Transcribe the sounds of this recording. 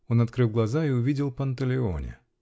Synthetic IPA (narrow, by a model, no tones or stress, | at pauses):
o̞nɐt̪kɾɨlˠɡlˠɐzaiʊvʲidʲɪlˠpənt̪əlʲɪo̰nʲɪ̰